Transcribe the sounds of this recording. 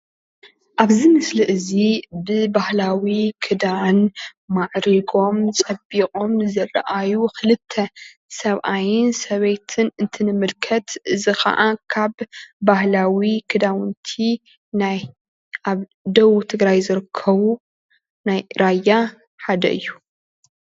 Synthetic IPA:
ʔaβzɨmɨsliʔɨzibɨbahlawikʰɨd̪anmaʕɾiɡo̞mt͡sʼɐbiqʼo̞mzɐrɐ̰ʔajuxɨlɨt̪ʰːɐ | sɐβʔajɪnsɐβejt̪ʰɨnɨnt̪ʰɨnɨmɨlkʰɐt̪ʔɨzixɐ̰ʔakʰaβːahlawikʰɨd̪awɨnt̪ʰi | naj | ʔaβ | d̪ɐwut̪ʰɨɡɾajzɨɾɨkʰːɐβu | najɾajːa | ħad̪ɐ̰ʔɨjːu

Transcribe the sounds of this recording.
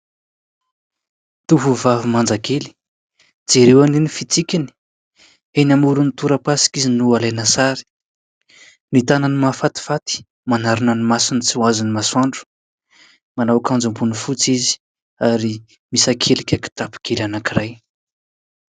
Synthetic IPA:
t̪uɦuvavimand͡zakeli̥ | d͡zeɾewaninifit͡sikʲini̥ | enamuɾunit̪uɾəpasi̥kizinualenasaɾi̥ | nit̪ananimafat̪i̥fat̪i̥ | manaɾinənimasinit͡siwazinimaswaɳɖ͡ʐu̥ | manawkand͡zumbunifut͡sizi̥ | aɾi | misakʰelikʲaki̥ʈ͡ʂapi̥kʰelanakiɾaj

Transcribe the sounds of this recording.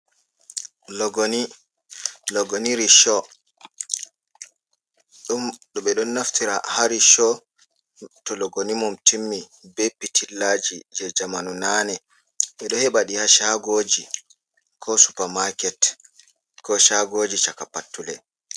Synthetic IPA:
lɡn | lɔɡoniɾiʃɔ | ɗɔɓɛɗɔnːaftiɾa̰haɾiʃɔ | tɔlɔɡonimumtʰimːi | bepːitʰilːad͡ʒid͡ʒɛd͡ʒamanunaːnɛ | ɓɛɗɔhɛɓaɗihaʃaɡoːd͡ʒi | kʰɔsu̥pamakɛt | kɔʃaɡoːd͡ʒit͡ʃakapːatːulɛ

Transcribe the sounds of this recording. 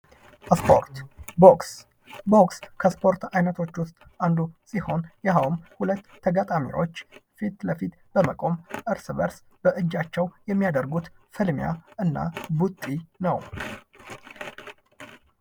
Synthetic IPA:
spo̰ɾt̪boks | bo̞kskʰəspʰo̞ɾt̪ajnət̪ʰo̞t͡ʃːwʊst̪ʼ | and̪usiho̞njahawmhulət̪ːəɡat̪ʼamḭɾo̞̰t͡ʃːfit̪ləfit̪ | b̥əməkʼo̞mʔɨɾsɨβəɾs | b̥əʔɨd͡ʒːat͡ʃːɛwjɛmːijad̪əɾɡut̪fɨlmja̰ʔɨnːa̰but̪ʼːinəw

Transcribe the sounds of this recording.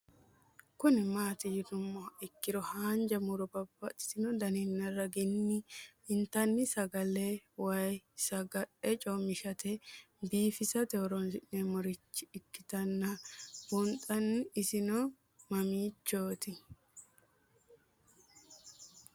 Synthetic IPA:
kʊnɪmaːt̪ɪjɪd̪ʊmːɔɪkːɪɾɔhaːnd͡ʒɐmʊɾɔbɐbːɐtʼːɪ̥sɪnɔd̪ɐnɪnːɐrɐɡɪnːɪɪnt̪ɐnːɪsɐɡɐlɛwɐjsɐɡɐɗɛt͡ʃʼɔmɪʃɐt̪ɛ | biːfɪsɐt̪ɛɔɾɔnʔɛmɔɾɪt͡ʃːɪːkːɪt̪ɐnːɐbʊnt̪ʼɐnːɪɪsɪnɔ | mɐmiːt͡ʃːoːt̪ɪ

